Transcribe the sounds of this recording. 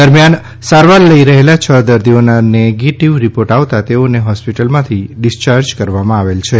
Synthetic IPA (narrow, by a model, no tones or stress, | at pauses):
d̪əɾmjan | saɾʋalːəiɾəɦelat͡ʃʰəd̪əɾd̪ʱionaneɡeʈiʋɾipoɾʈaʋt̪at̪eoneɦɔspiʈəlmãt̪ʰiɖɪst͡ʃaɾd͡ʒkəɾʋamãaʋelt͡ʃʰe